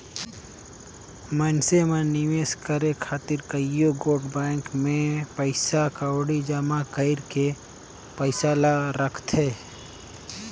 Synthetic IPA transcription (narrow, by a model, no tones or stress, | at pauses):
mənsemãnɪʋeːskəɾekʰaːt̪ɪɾkəɪjoɡoːɾɖbaːŋkmẽpəɪsakaɽid͡ʒaːmakəɪɾke | pəɪsaːlaɾəkʰt̪ɦeː